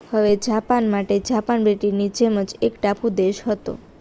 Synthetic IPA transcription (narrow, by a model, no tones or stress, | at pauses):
həʋed͡ʒapanmaʈed͡ʒapanbeʈinid͡ʒeməd͡ʒekʈapʰũd̪eʃɦət̪o̰